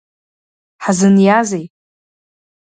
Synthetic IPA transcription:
ħazɨnjazej

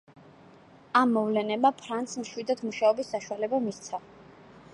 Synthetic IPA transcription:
amːɔvlɛnɛbapʰɾant̪smʃwid̪ad̪ʰmuʃaɔbisːaʃualɛbamist̪sʰa

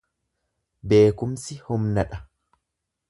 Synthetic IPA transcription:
be̞ːkʊmsɪhʊmnɐᶑɐ

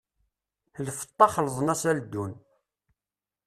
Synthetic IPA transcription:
θlfə̥t̪ˤːɑχələðˤənæsæld̪ːun

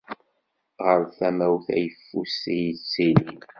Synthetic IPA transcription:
ʁəɾθæmæwθæ̰jəfːusit͡sːinin

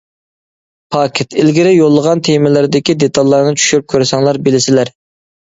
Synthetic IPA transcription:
pʰɑkʲʰɪt̪ʰɪlɡʲɪɾɪjolˠːəʁɑnt̪ʰemɪlɪɾɪd̪ɪkʲid̪et̪ʰɑlˠːɑɾnɨt͡ʃʰy̥ʃyɾyp̚kʲʰøɾsɑŋlˠɑɾbɪlɪsɪlæɾ

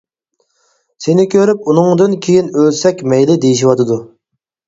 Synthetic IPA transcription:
senɪkʲʰøɾyp̚unɨŋd̪ɨnkʲʰejinølsɛkʲmɛjlɪd̪ejiʃiwɑt̪ʰɨd̪u

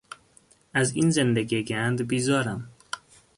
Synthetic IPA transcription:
æziːnzend̪eɡieɡænd̪biːzɒːɾæm

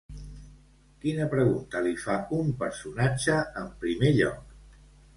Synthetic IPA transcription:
kinəpɾəɣunt̪əlifaumpəɾsunad͡ʒəəmpɾimeʎɔ̰k

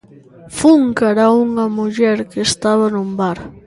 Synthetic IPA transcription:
fuŋkaɾauŋɐmuʎɛɾkeːst̪aβanumbaɾ

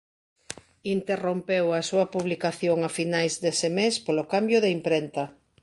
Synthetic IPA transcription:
int̪erompewasuɐpuβlikaθjoŋafinajzd̪esɪmespolokambjʊðeimpɾent̪ɐ

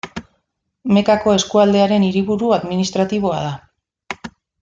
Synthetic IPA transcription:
me̞kako̞e̞skuald̪e̞aɾe̞niɾiβ̞uɾuaðminist̪ɾat̪iβ̞o̞a̰ða

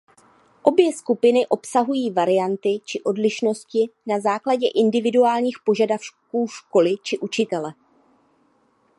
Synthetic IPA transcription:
ʔo̞bjɛskupɪnɪʔo̞psaɦujiːvaɾɪjant̪ɪt͡ʃɪʔo̞dlɪʃno̞scɪnazaːklaɟɛʔɪndɪvɪduaːlɲiːxpo̞ʒadafkuːʃko̞lɪt͡ʃɪʔut͡ʃɪt̪ɛlɛ

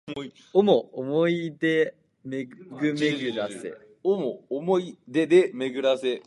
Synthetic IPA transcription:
i | omoomoid̪e | meɡɯ̟me̞ɡɯ̟ɾassḛ | omoːmoid̪ed̪eme̞ɡɯ̟ɾase

